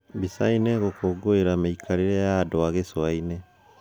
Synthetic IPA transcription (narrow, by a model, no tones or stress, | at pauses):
bisainɛɣokʰoːɡoeɾameikʰaɾeɾɛjadoaɣeswaine